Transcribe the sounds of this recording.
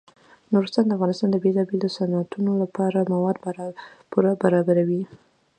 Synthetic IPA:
noɾust̪and̪əafɣɑnɪst̪ɑnd̪əbelɑbelosanat̪ʰunolapɑɾamawɑd̪bpuɾabaɾɑbaɾawi

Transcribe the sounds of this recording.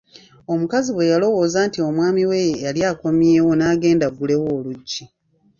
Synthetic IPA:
o̞mukaziβwe̞jalo̞wo̞ːzaːntio̞mwaːmiwe̞jjaljaːko̞mje̞ːwo̞naːɡe̞ːndaɡule̞woːluɟːi

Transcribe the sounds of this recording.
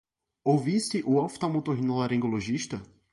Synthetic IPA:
owvist̪ɪʔʊawft̪awmot̪oɦĩnolaɾẽŋɡoloʒiʃt̪ɐ

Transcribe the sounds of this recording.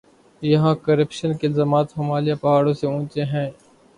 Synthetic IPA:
jɐɦãːkəɾəpʃənkeɪlzaːmaːt̪shoːmaːlɪjaːpɐɦaːɽõːseũːt͡ʃeɦɛ̃ː

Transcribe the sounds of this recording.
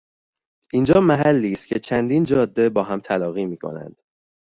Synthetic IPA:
ʔiːnd͡ʒɒːmæɦælːiːst̪̚cʰe̞t͡ʃʰænd̪iːnd͡ʒɒːd̪ːe̞bɒːɦæmt̪ʰælɒːɣiːmiːkʰo̞̰næ̰nd̪̥

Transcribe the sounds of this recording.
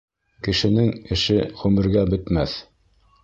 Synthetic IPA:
kɘ̆ʃɘ̆nɘŋɘ̆ʃɘχʉmɘ̆ɾɡæbɵ̆t̪mæθ

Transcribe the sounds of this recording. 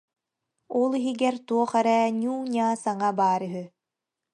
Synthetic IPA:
ɔlˠiɦiɡɛɾt̪uɔχɛɾɛːɲʲuːɲaːsaŋabaːɾɯɦy

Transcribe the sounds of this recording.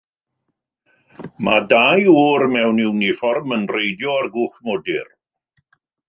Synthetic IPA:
madajuːɾmɛwnɪwnifɔrmənrejdjɔarɡʊːχmɔdɪr

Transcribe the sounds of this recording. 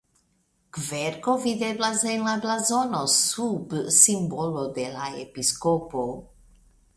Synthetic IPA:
kveɾko̞vid̪eblasenlablazonosubsimbolod̪elaḛpiskopo

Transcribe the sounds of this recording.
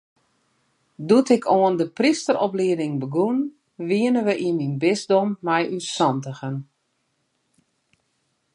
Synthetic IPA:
dutɪkʰoəndəpristəɾɔpliədɪŋbəɡun | ʋiənəʋəʔiminbɪzdomːɛjysɔntəxən

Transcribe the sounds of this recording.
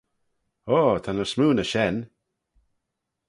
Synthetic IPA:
oːt̪ʰanəɹsmuːnəʃɛn

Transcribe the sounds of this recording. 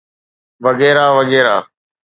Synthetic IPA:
ʋəɡɛːɾaːʋəɠɛːɾa̰ː

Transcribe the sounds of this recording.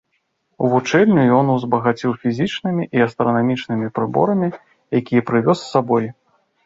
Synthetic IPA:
uvut͡ʂɛlʲnʲujɔnuwzbɐɣat͡sʲiwfʲizʲit͡ʂnɨmʲiʔiɐst̪ɾɐnamʲit͡ʂnɨmʲipɾɨbɔ̰ɾɐmʲi | jakʲijɐpɾɨvʲɔsːabɔj

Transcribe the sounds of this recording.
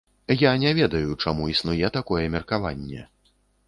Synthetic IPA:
janʲɛvʲɛd̪ɐjut͡ʂamuisnujɛt̪akɔjɛmʲɛrkava̰nʲːɛ̰

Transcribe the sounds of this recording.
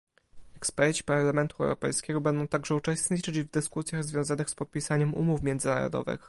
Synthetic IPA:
ɛkspɛɾt͡ɕi̥paɾlamɛnt̪uɛ̰wɾɔpɛ̰jskʲɛɡɔbɛnd̪ɔ̃w̃t̪aɡʐɛut͡ʂɛst̪ɲit͡ʂɘd͡ʑvd̪ɘskusʲjaɣzvʲjɔ̃w̃zanɘxspɔt̪̚pʲisaɲɛmṵmufmʲjɛnd̪zɘna̰ɾɔ̰d̪ɔ̰vɘ̰x

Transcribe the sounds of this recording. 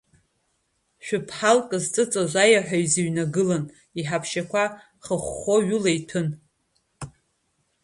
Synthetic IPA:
ʃᶣʊpʰħalkʼɨzt͡sʼɨt͡sʼaʒʷajaħʷᶣaɥziɥnaɡɨlan | iħapʰʃakʷʰa | χəχʷːoɥʊlajtʰɨn

